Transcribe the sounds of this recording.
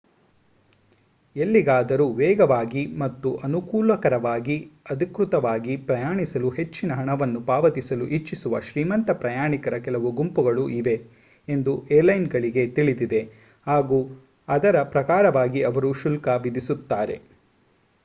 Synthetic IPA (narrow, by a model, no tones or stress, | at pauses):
e̞lːiɡaːd̪ɐɾuʋɛːɡɐʋaːɡimɐt̪ːuʔɐnukuːlɐkɐɾɐʋaːɡiɐd̪ʱikɾut̪ɐʋaːɡipɾɐjaːɳisɐluɦe̞t͡ʃːinɐɦɐɳɐʋɐnːupaːʋɐt̪isɐluʔit͡ʃːisuʋɐ̰ʃɾiːmɐnt̪ɐpɾɐjaːɳikɐɾɐkɛlɐʋuɡumpuɡɐɭuʔiʋe̞ | end̪ueːɾlɐjnɡɐɭiɡe̞t̪iɭid̪id̪e̞ | haːɡuː | ɐd̪ɐɾɐpɾɐkaːɾɐʋaːɡiɐʋɐɾuʃulkɐʋid̪isut̪ːaːɾe̞̰